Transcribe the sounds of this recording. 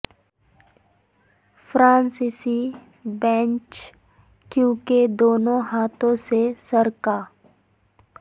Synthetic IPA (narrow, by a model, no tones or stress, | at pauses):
fʰɾãːnsisi | bɛ̃ːɲt͡ʃ | kjũːked̪oːnõɦaːt̪õsesəɾkaː